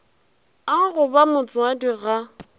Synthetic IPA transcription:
aɣʊbamʊt͡sʼwadiɣa

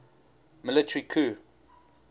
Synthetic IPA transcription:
mɪlɪtʰəɹikʰuː

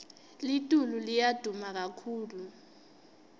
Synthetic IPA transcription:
litʼululijad̥ʱumak̬akʰuːlu

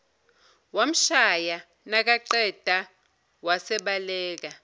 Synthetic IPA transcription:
wam̩ʃaja | nak̬aǃɛd̥ʱa | wasɛɓalɛːk̬a

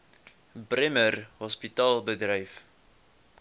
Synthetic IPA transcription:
brɛmərɦɔspitɑːlˠbədrəjf

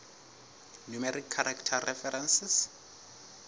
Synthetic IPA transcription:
numɛɾikʰːaɾaktʰarɛfɛɾɛnsɪs

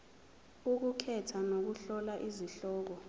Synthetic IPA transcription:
uk̬ukʰɛtʰanok̬uɬɔlaʔiziɬɔːk̬ɔ

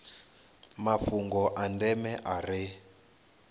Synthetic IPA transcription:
mafuŋɡɔʔandɛmɛʔarɪ

